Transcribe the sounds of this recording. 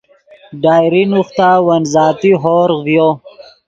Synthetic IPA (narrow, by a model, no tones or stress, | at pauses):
ɖɑːjɾinuxt̪aːwɐnzɑːt̪iɦoːɾvjo